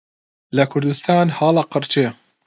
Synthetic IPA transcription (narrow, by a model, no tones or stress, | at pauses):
lɐkʰʊɾd̪ust̪ʰɑːnhɑːlɑqɨɾt͡ʃʰe